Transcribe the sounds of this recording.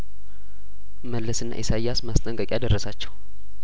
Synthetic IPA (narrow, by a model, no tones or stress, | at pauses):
məlːəsɨnːa̰ʔisajːasmast̪ʼəŋkʼəkʼjad̪ərːəsat͡ʃːɛw